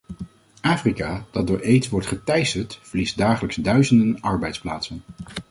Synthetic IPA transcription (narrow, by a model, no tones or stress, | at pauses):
ʔaːfrikaːd̥ɑd̚dʊːɹʔejtsʋɔɹtχətɛjsəɹtfəɹlisdaːχələksdœɥzəndənɑɹbɛjtsplaːtsən